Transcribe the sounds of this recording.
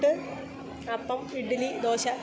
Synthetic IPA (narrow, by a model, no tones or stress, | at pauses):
ʈːɨ | ɐpːɐmiɖilid̪oːɕɐ